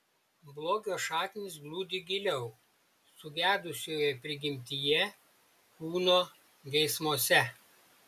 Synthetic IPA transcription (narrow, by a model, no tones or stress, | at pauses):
blˠoːɡʲoːʃɑːt̪ʲɪnʲɪsblˠuːd̪ʲɪɡʲɪlʲɛʊ | sʊɡʲæːd̪ʊsʲoːjɛpʲɾʲɪɡʲɪmʲt̪ʲijɛ | kuːnoː | ɡʲɛɪsmoɔsʲɛ